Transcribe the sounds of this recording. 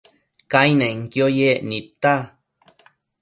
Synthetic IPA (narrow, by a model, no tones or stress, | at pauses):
kajnãiŋkjojeʔnit̪ːa